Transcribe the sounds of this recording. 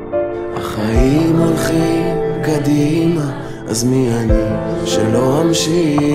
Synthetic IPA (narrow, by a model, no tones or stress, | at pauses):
haχaimalχimkad̪ima | ʔa̰zmianiʃelo̞amʃi